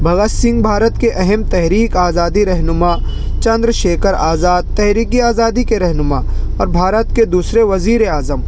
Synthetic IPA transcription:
bʱɐɡasɪ̃ŋɡbʱaːɾət̪keʔɛɦɛmt̪ɛɦɾiːkaːzaːd̪iɾɛɦnʊmaː | t͡ʃɐ̃nd̪ɾʃeːkəɾaːzaːd̪̚t̪ɛɦɾiːkiaːzaːd̪ikeɾɛɦnʊmaɔːɾbʱaːɾət̪ked̪uːsɾeʋɐziːɾeaːzəm

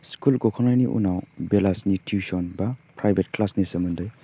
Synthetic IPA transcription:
skulɡɔkʰɔnajniʔṵnawbelasnitʰusɔnbapɾajbʱet̚klasnisemundɯj

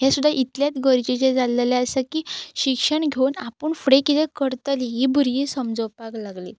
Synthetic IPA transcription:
jasud̪ʱːaʔit̪ljat̪ɡəɾd͡ʑit͡ɕed͡zalelaəsakiːɕikʂəɳɡʱewunapəɳfɽekit̪ẽkəɾt̪aliɦibʱuɾjiːsəmd͡zɔwpaklaɡlḭ

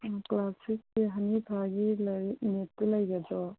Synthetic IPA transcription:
klasikːeɦɐnibʱaɡilnet̪ːelɐjɡad͡ʒɔ

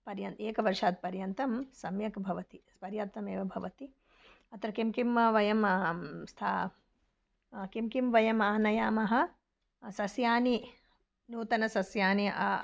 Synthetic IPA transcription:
pɐɾjɐnt̪eːkɐʋɐɾʂaːt̪̚pɐɾjɐnt̪ɐmsɐmjɐkbʱɐʋɐt̪i | pɐɾjaːt̪ːɐmeːʋɐbʱɐʋɐt̪i | ɐt̪ɾɐkimkimʋɐʋɐjɐmst̪ʰaː | kimkimʋɐjɐmaːnɐjaːmɐɦɐ̆ | sɐsjaːni | nuːt̪ɐnɐsɐsjaːni

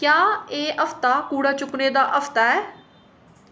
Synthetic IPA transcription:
kjaːeːʔəpʰt̪aːkuːɽaːt͡ʃʊkneːd̪aːʔəpʰt̪aːɛː

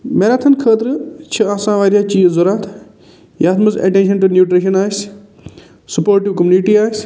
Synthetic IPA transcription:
meːɾaːt̪ʰɐnkʰəːt̪ɾt͡ʃʰɐaːsãːʋaːɾijaːt͡ʃiːzoɾaːt̪ʰ | jaːt̪ʰmɐzɐ̰ʈẽːnʃ̬ɐnʈunjuːʈɾiʃ̬ɐnaːs | sɐpoːɾʈiʋkɐmjuːniʈiːaːs

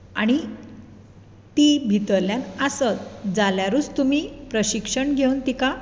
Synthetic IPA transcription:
aɽ̃i | t̪ibʱit̪əɾljãnəsət̪d͡zaljaɾuːt͡st̪um̤iːpɾəɕikʂəɳɡʱewnt̪ika

